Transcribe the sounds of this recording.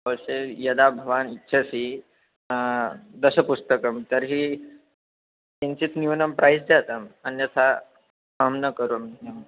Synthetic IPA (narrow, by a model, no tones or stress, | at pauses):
əʋəɕejəd̪abʱəʋanitːɕʰasi | d̪əsəpust̪əkəmt̪əɾɦi | t̪ent͡ɕit͡s̪niʋnəmpɾʔajsd͡zat̪amənjət͡sʰa | amnəkəɾomɦe